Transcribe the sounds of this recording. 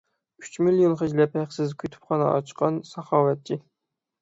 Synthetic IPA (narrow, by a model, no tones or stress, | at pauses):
y̥t͡ʃmilijonχɪd͡ʒlɛphæχsɪzkʲʰøt̪ʰy̥pχɑnɑ̰ʔɑ̰t͡ʃqɑnsɑχɑːwɛt̪̚t͡ʃʰːi